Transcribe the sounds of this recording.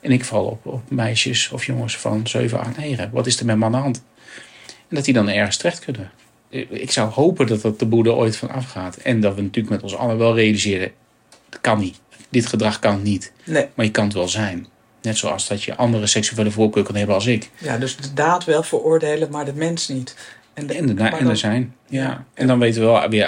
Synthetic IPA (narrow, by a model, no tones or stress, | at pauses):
ʔɛnɪkfɑlˠɔ̰pɔpmɛjʃəsɔfjɔŋəsfɑ̰nz̥ø̰ɥvənɑ̰χtnejχəʋɑtɪsdəɹmɛtmaːndəɦɑnt | ɛndɑt̚didɑnɛɹχən̩stərɛχtkɵnə | ɪksʌwhowpəndɑtɑt̚dəbudəʔo̰jtfɑnɑ̰fχaːtɛndɑtʋənatyːləkmɛtɔnsɑ̰lˠəʋɛlˠrejalizɪːɾə | kɑnit | d̥ɪtχədrɑχkɑnnitmaɹjəkɑnətʋɛlˠzɛjn | nɛtsowɑ̰sdɔtjə̰ʔɑndərəsɛksivʊːdəvʊːkøːkønɦɛbənɑlˠsɪkjadɵsdədaːtʋɛlˠvəɹʊːɹdejləmaːɹdəmɛnsnit | nnəndəzɛjnjaʔɛndɑnʋejtəʋəɛʋɪ